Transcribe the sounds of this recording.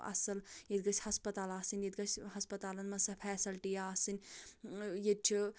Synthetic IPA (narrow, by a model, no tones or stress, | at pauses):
ɐ̰sɐljed̪ɡɐt͡ʃʰʲhɐspɐt̪aːlaːsɨnjed̪ɡɐt͡ʃʰʲɦɐspɐt̪aːlɐnmɐnsɐpʰɛːsɐlʈijaːsɨnʲ | jet͡ʃʰi